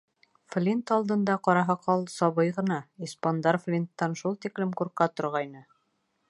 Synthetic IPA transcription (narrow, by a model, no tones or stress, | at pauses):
flʲint̪ɑlˠd̪ɤ̆nd̪ɑqɒɾɑɦɑqʰɑlˠsɑβɤjʁɤ̆nɑispond̪ɑɾflʲint̪ːɑnʃulˠt̪iklɘmkuɾqɑt̪ŏɾʁɑjnɤ